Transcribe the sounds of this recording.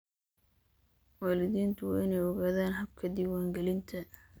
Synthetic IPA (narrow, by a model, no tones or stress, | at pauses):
wɑːlɪðiːnt̪ʰʊwɑ̰ːɪnɛjɔɣaːðaːnɦɐb̚kʰɐd̪iːwaːŋɡɛlɪnt̪ʰɐ